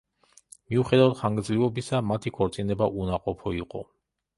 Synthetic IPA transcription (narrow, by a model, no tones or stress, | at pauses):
miuχɛd̪avad̪χaŋɡɾd̪zlivɔbisamat̪ʰikʰɔɾt̪sʼinɛbaʔunaqʼɔpʰɔiqʼɔ̰